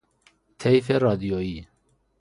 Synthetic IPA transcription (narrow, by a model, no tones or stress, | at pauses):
t̪ʰɛjferɑːd̪ijoi